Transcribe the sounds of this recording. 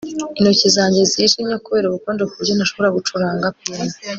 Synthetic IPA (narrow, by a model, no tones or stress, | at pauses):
inocizaːɲɟe̞ziiʃimɲokuβeːɾuβukondokuɾɟonaʃo̞βo̞ɾaɡut͡ʃuɾaːŋɡap̚iːna